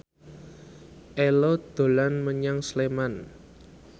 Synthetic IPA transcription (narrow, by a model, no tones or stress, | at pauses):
ʔelod̪̥o̤lanməɲaŋsleman